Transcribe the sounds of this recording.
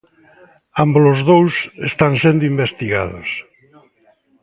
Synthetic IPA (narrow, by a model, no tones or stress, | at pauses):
ambolozðowsest̪ansẽnd̪ʊimbest̪iɣa̰ðo̰s